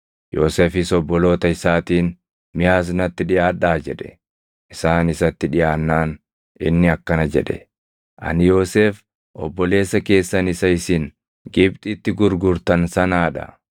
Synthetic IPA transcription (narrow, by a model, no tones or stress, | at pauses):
joːseːfɪsɔbːɔlo̞ːt̪ɐɪsaːt̪iːn | mɪjaːs̬nɐt̪ːɪᶑɪjaːᶑaːd͡ʒɛᶑɛ̥̰ | ʔɪsaːnɪsɐt̪ːɪᶑɪjaːnːaːn | ɪ̰nːɪɐkːɐnɐd͡ʒɛ̰ᶑɛ̥̰ | ʔɐ̰nɪjo̞ːseːf | ʔɔbːɔle̞ːsːɐke̞ːsːɐnɪsɐɪsɪn | ɡɪbt̪ʼɪt̪ːɪɡʊɾɡʊɾt̪ɐnsɐnaːᶑɐ̰